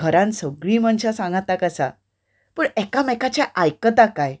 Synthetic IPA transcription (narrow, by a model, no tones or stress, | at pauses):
ɡʱəɾãnsəɡɭiːmənɕasãŋɡat̪akəsa | pəːɳɛkamɛkat͡ɕjaʔajkət̪akaj